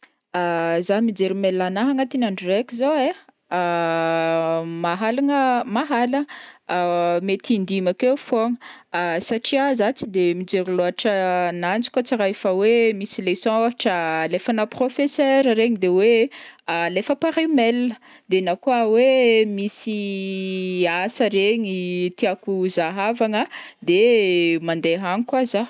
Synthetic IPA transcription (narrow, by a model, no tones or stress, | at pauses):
azamid͡ʒeɾumelːanaɦaŋat̪inaɳɖ͡ʐirekʲizoe | maɦalaŋəmaɦalə | met̪ind̪imakefoŋə | saʈ͡ʂiazat͡sid̪emid͡ʒeɾiloaʈ͡ʂənand͡zi̥kʲot͡siɾajfəwemisilesɔ̃aʈ͡ʂəlefanəprofesøɾɾeɲid̪ewe | lefəpaɾimɛlnə | d̪enakuawemisi | asəɾeɲit̪iakuzaɦavaŋəd̪emand̪eɦanikwaza